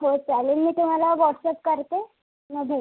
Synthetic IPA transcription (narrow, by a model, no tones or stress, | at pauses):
ɦot͡salenmiːt̪um̤alaʋɔʈsep̚kəɾt̪e | məɡʱe